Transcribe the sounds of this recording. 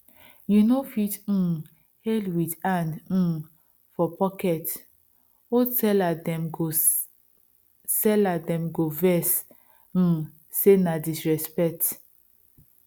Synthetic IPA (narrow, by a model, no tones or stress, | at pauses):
junofitn̩ | helwidãnd̩ | fɔpɔkɛt | osɛladɛ̃mɡo | sɛladɛ̃mɡovɛs̩ | enadisɹɛspɛk̚t